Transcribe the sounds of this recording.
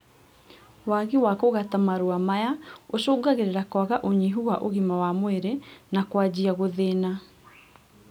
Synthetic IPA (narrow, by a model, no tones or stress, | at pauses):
waɣiwakoɣatamaɾuamajaosoːɡaɣeɾeɾakwaɣaʔoɲiɦuwaʔoɣimawamweɾenakwad͡ʑiaɣoðena